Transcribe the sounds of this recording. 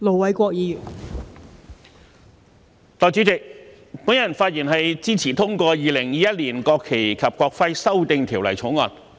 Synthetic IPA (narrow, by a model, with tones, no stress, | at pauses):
lo˨˩wɐ˨˥jkʷɔː˧k̚jiː˨˧jyː˨˩n | t̪ɔː˨˧jt͡sy˨˥t͡sɪ˨k̚ | puː˨˥njɐ˨˩nfaː˧t̚jiː˨˩nɦɐ˨jt͡siː˥t͡sʰiː˨˩t̪ʰʊ˥ŋkʷɔː˧jiː˨˩lɪ˨˩ŋjiː˨˥jɐ˥t̚liː˨˩nkɔː˧kʰːe˨˩jkʰɐ˨p̚kʷɔː˧k̚fɐ˥jsɐ˥wt̪ɪ˧ŋt̪ʰiː˨˩wlɐ˨˩jt͡sʰʊ˨˧˥ŋɔː˧n